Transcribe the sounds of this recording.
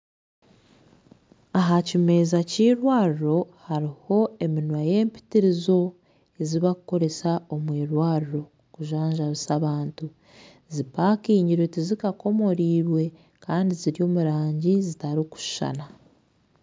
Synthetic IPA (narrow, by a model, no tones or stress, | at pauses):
aɦacime̞ːzaciːɾwaːɾiɾo̞haɾiho̞e̞minwaje̞ːmpi̥tiɾizo̞ | e̞ziβakuko̞ɾe̞sao̞mwiːɾwaːɾiɾo̞ | kuʒaːɲʒaβisaβaːntu | zipaːkiːɲiɾwetizikako̞mo̞ɾiːɾwe̞ | kaːndiziɾjo̞ːmuɾaːɲɟizitaɾiku̥ʃʃa̰na